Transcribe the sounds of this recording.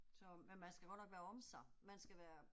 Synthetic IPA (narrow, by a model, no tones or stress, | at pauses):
sɒ̽menmænsɡ̥æɡ̥ɒ̽d̥nɒɡ̥ʋæːɐɒ̽msɑ̈mænsɡ̥æʋæːɐ